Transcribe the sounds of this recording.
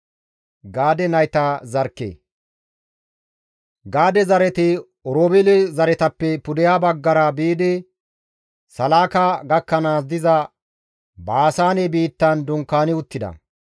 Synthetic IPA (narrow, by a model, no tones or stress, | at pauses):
ɡaːd̪ɛnɐjt̪azɐɾkːḛː | ɡaːd̪ɛzɐɾɛt̪ɪ | ɔɾoːbɛlɪzɐɾɛt̪ɐpːɛpʊd̪ɛjaːbɐɡːɐɾɐbiːd̪ɪ | sɐlaːkaɡɐkːɐnaːs̬d̪ɪzɐ | baːsaːnɛbiːt̪ːɐnd̪ʊŋkːaːnɪʊt̪ːɪd̪ɐ̰